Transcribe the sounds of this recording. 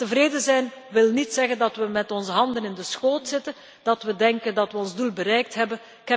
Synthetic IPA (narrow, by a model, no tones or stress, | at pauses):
təvɾeːdəzɛjnʋɪlnitsɛɣəndɑtʋəmɛtɔnzəɦɑndənɪndəsxoːtsɪtən | d̥ɑtʋədɛŋkəndɑtʋəɔnzdulˠbəɾɛjk̚tɦɛbən | kɦɛ